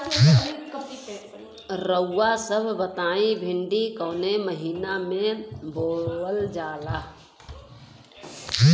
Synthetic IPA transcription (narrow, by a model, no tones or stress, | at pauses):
ɾəʊːasəbʱbət̪aːĩbʱɪɳɖikɔːneməɦiːnamẽboːəld͡ʒaːla